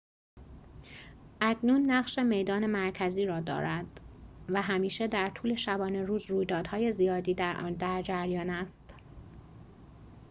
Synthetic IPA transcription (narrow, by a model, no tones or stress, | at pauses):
ʔæcʰnuːnːæɢʃeme̞jd̪ɒːne̞mæɾcʰæziːɾɒːd̪ɒ̰ːɾæd̪̥væɦæmiːʃe̞d̪æɾt̪ʰuːle̞ʃæbɒːne̞ɾuːzruːjd̪ɒːd̪hɒːje̞zijɒːd̪iːd̪æd̪æɾd͡ʒæɾjɒːnæst̪